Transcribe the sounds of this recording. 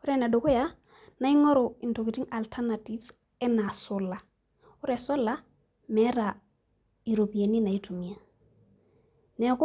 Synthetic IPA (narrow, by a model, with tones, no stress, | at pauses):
u˦ɾɛna˨do˨ko˦ja | na˦i˦ŋo˦ɾo˨i˨nto˨ɡi˨ti˦ŋa˨ltʰana˨ti˦fs | ɛ˦na˨solːa˨ | u˦ɾɛ˨so˦lːa˦ | mɛ˦ɾa | i˨ɾo˨pi˨je˨ni˦na˨i˦tu˨mi˨a˨ | nɛ˨ku˦